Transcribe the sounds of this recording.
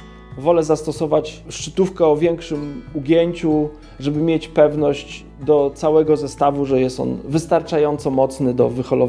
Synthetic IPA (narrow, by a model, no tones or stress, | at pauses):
vɔlɛzast̪ɔsɔvat͡ɕʂt͡ʂɘt̪ufkɛɔvʲjɛŋkʂɘmuɡʲjeɲt͡ɕu | ʐɛbɘmʲjet͡ɕpɛvnɔɕd͡ʑ | d̪ɔt̪sawɛɡɔzɛst̪avuʐɛjɛst̪ɔ̰nvɘst̪aɾt͡ʂajɔnt̪sɔmɔt̪snɘd̪ɔ̰vɘxɔlɔ